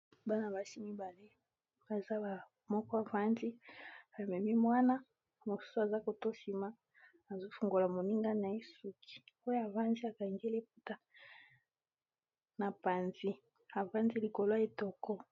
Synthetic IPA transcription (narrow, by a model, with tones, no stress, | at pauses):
ba˦na˨ba˨ʃi˦mi˦ba˨le˦ | ba˨za˦ba˨ | mɔ˦kɔ˦a˨va˦ndi˦a˨mɛ˨mi˦mwa˦na˦ | mo˨su̥˦so˦a˨za˦ko˨to˦ʃi˨ma˦ | a˨zo˦fu˨ŋɡo˨la˨mo˨ni˦ŋɡa˦na˨e˦su˨kʰi̥˨o˦ja˨va˦nzi˦a˨ka˨ŋɡe˦le˦p̚u˦ta˦ | na˨pa˨nzi˦ | a˨va˦ndi˦li˨ko˨lo˦e˨tɔ˨kɔ˦